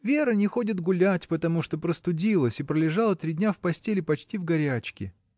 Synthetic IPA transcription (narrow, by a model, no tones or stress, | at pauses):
vʲe̞ɾənʲɪxo̞dʲɪt̪ɡʊlʲætʲpət̪ɐmuʂt̪opɾəst̪ʊdʲilˠəsʲipɾəlʲɪʐɑlˠət̪ɾʲidʲnʲafpɐsʲtʲelʲɪpɐt͡ɕtʲivɡɐɾʲæt͡ɕkʲɪ